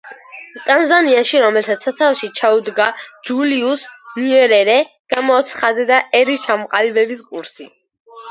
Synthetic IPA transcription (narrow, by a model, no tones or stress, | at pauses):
t̪ʼanzaniaʃiɾɔmɛlsat̪sat̪ʰafʃit͡ʃʰaud̪ɡad͡ʒuliusniɛɾɛɾɛ | ɡ̥amɔɔt̪sʰχad̪ɛd̪aʔɛɾit͡ʃʰamɔqʼalibɛbiskʼuɾsḭ